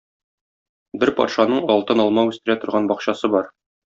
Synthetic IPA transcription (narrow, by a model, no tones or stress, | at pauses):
bɘɾpɒ̰t̪ʃɑnɤɴɒlˠt̪ɤnɒlˠmɑʉst̪ɘ̆ɾæt̪ŏɾʁɑnbɒqɕɑsɤbɒɾ